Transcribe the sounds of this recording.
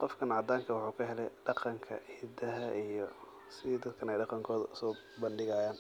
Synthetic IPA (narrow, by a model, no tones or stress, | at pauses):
qɔfkʰɐnʕɑd̪aːŋkʰɐwʊħuːkʰɐɦɛlɛ̰jɖɑqɑŋkʰɐ̰iːd̪ɐɦɐʔijɔ | sɪd̪ɐd̪kʰɐnɛjɖɑqɑŋkʰɔːðɐʊsɔː | bɐnɖɪɣaːjaːn